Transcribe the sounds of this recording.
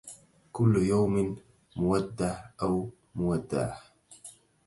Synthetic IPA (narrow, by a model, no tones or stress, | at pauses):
kʊlːjawmɪn | mʊwad̪ːahʔaw | mʊwad̪ːa̰ʕ